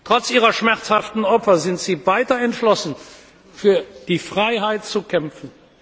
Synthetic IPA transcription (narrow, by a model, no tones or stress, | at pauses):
tʁ̥ɔt͡sʔiːʁɐʃmɛʁt͡shaftn̩ɔpfɐzɪntz̥iːvaɪtɐɛntʃlɔsn̩ | fyːɐd̥iːfʁ̥aɪɦaɪtt͡sukʰɛmfn̩